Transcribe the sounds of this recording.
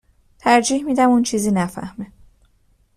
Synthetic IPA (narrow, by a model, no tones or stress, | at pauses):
t̪ʰæɾd͡ʒiːhmiːd̪æmunt͡ʃʰiːziːnæfæ̰hme